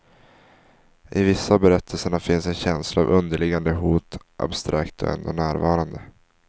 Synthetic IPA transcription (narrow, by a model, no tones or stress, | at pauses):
ʔɪvɪsːabɛɾɛt̪ʰːəlsəɳafɪnsɛnɕɛnslaavɵnd̪əɭɪɡand̪əɦuːt̪ | ʔa̰bst̪ɾʔa̰kt̪ɔ̰ɛ̰nd̪ɔnæːɾvɑːɾand̪ə